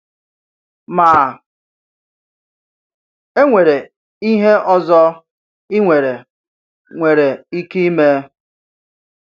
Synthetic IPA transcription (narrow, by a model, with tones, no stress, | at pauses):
ma˨ | e˦ŋʷe˨ɾe˨ | i˦ɦe˦ʔɔ˦zɔ˦ | i˦ŋʷe˨ɾe˨ | ŋʷe˨ɾe˨i˦ki˦i˦me˦